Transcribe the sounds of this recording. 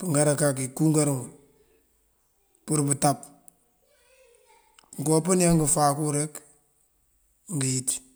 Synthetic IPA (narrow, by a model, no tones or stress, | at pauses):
puŋɡaɾakakikuŋɡaɾŋu | puɾbətap | ŋkopunjaŋɡəfakuɾek | ŋɡijiti̥